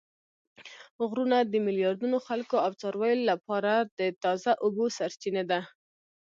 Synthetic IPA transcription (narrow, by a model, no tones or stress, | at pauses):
ɣɾunad̪əmɪljɑɾd̪unoxalkoawt͡sɑɾwajolapɑɾad̪ət̪ɑzaʔʊbosaɾt͡ʃined̪a